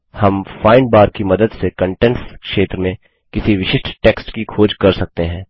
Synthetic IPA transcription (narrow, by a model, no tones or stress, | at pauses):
hɐmfaːɪnɖbaːɾkimɐd̪əd̪sekɐ̃ɳʈɛnskʃeːt̪ɾəmẽ | kɪsiʋɪʃɪʃʈʰʈeːksʈkikʰoːd͡ʒkɐɾsɐk̚t̪eɦɛ̃ː